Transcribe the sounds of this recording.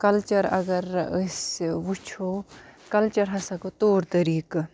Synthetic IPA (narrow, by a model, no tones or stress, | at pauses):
kɐlt͡ʃɐɾɐ̰ɡɐɾəsʋut͡ʃʰoːkɐlt͡ʃɐɾɦɐsɐkot̪oːɾt̪ɐɾiːk